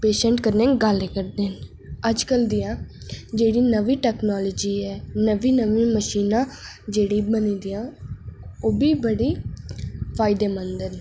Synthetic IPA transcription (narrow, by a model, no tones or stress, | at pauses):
peːʃə̃ɳʈkəɾnẽːɡəlɛkəɾd̪eːn | əd͡ʒkəld̪ijãː | d͡ʒeːɽiːnəʋiːʈɛːknɔːloːd͡ʒiːɛːnəʋiːnəʋiːməʃiːnãː | d͡ʒeːɽiːbənĩːd̪ijãː | oːbiːbəɽiː | pʰaːɪd̪eːmənd̪ən